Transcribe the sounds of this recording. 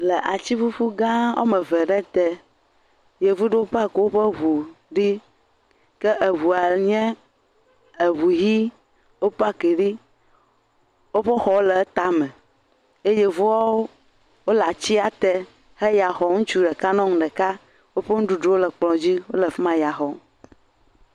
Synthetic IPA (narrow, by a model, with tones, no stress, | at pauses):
lɛ˨ʔa˨t͡ɕi˦fu˦ɸu˦ɡã˦wʔɔ̰˦mɛ̃˨vɛ˨ɖɛ˦t̪ɛ˦ | je˨vu˦ɖe˦wo˦ɸa˦ke˨wo˦ɸə˦ɦu˨ɖi˦ | kɛ˦ʔe˨βu˨a˨ɲɛ̃˦ | e˨βu˨ɦi˦ | wo˦pa˦ki˨ɖi˦ | wo˦ɸe˦xɔ˨wo˦lɛ˨˦t̪a˨mɛ̃˨ | e˦jɛ˦vu˦wa˦wo˦ | wo˦la˨t͡ɕi˦a˨t̪ɛ˦ | he˦ja˨xɔ˨ŋũ˦t͡ʃu˦ɖɛ˨ka˦nɔ̃˦ŋũ˦ɖɛ˨ka˦ | wo˦ɸe˦ŋ̩ũ˦ɖu˨ɖo˦wo˦lɛ˨k͡plɔ̃˨d͡ʑi˦wo˦lɛ˨fmã˦ja˨xɔ˦